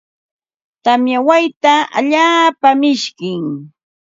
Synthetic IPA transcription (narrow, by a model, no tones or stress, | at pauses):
t̪amjawajt̪aʔa̰ʎaːpamɪʃkɪŋ